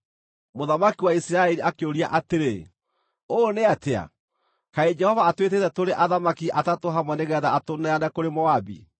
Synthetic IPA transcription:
moðamakiwaisiɾaɛliakeoɾia̰ʔateɾe | oneatea̰ | kaed͡ʒɛhɔvaːtwetetɛtoɾeʔaðamakiʔatatoɦamwɛneɣɛðaːtonɛanɛkoɾemɔabḭ

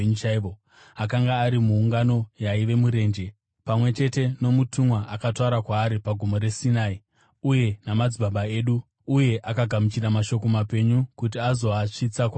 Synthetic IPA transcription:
ɲut͡ʃaʋo | akaŋɡaːɾimuːŋɡano̞jaiʋe̞muɾe̞ːnd͡ʒe̞ | pamwe̞t͡ʃe̞te̞no̞mutʰumwaʔakataɾakwaːɾipaɡʱumo̞ɾe̞sinai | uje̞namad͡zibaɓae̞ːɗuː | je̞ʔakaɡʱamut͡ʃiramaʃo̞ko̞mape̞ɲukut̬iazo̞aʂit͡sakwa

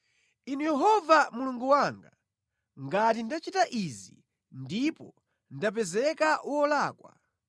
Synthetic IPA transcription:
inujɛɦɔvamuluŋɡuwaŋɡa | ŋɡatindat͡ʃitaʔizi | ndipɔ | ndap̬ɛzɛkaʔwɔlaːkwa̰

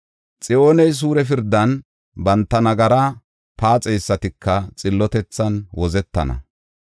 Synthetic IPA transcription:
t͡sʼɪʔoːnɛjs̬uːɾɛf̬ɪɾd̪ːɐn | bɐnt̪ːɐnɐɡɐɾɐ | paːt͡sʼɛjsːɐt̪ɪkːɐt͡sʼɪlːɔt̪ɛt͡sːɐnwɔzɛt̪ːɐ̰nɐ̰

